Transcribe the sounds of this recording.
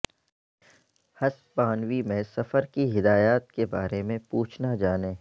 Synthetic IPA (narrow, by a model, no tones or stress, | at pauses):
hɐspãːnwimẽsɐfəɾkiɦɪd̪aːjaːt̪̚kebaːɾemẽpuːt͡ʃʰnad͡ʒaːnẽː